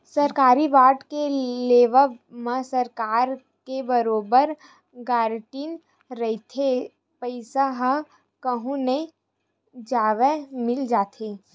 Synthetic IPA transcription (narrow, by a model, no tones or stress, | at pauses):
sɐɾkaːɾiʋaːʈkeleːʋəmə̃səɾkaːɾ | kebəɾoːbəɾ | ɡaːɾʈiːn | ɾəit̪ʰe | pəɪsaɦã | kəɦũnei | d͡ʒaːʋemɪld͡ʒaːt̪ʰeː